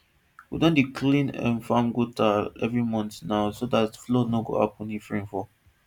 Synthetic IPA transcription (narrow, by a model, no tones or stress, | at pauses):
widɔ̃ndikʰlĩnã̰nfãŋɡutʰaɛvɹimɔ̃ntnaʊsodatflɔnɔɡo̰a̰pɔ̃nifɹĩmfɔ